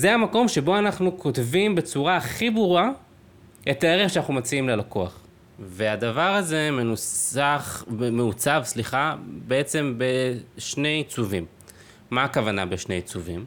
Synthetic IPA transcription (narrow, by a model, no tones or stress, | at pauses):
zeamako̞mʃe̞bo̞anaχnukʰo̞tvimbe̞t͡suʁaχibuʁua | etae̞ʁeχʃanaχnumat͡siimlelakoa̰χ | veadavaʁaze̞menusaχmeut͡savsliχabee̞t͡se̞mbe̞ʃne̞jit͡suvimː | aːkavana̰beʃnejit͡suvḭm